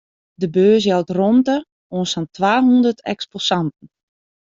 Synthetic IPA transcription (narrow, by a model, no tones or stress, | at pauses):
dəbøːs̬jɛlˠtrontə | oːnsɔntʰʋaːɦundərtʰɛ̰ksposantn̩